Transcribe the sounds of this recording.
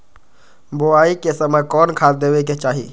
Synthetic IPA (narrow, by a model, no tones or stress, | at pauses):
boaikesəməjkɔːnkʰatd̪eʋeket͡ʃaːɦḭ